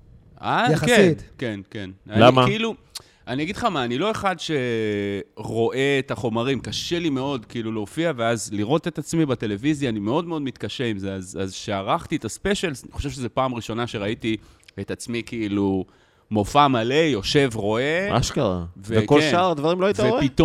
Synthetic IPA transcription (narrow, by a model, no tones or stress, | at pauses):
azjakit̪ke̞nke̞nanlaimakiilu | aniaɡid̥χamaːnilo̞e̞χadʃe̞ | ʁo̞ʔeːt̪aχo̞maʁimkaʃe̞lime̞o̞dkiiluleoːfiave̞azliʁo̞t̪et̪at͡smibat̪e̞le̞vizjaːnime̞o̞d̪me̞o̞d̪mit̪kaʃeimzeazazʃeaʁaχt̪iet̪aspeʃelzaniχoʃevʃezepaːmʁiʃo̞naʃe̞ʁait̪i | et̪at͡smikiilu | mo̞famalejo̞ʃe̞vʁo̞e̞a̰ʃkaʁa̰veekolʃaaʁad̪vaʁimloait̪aoit̪o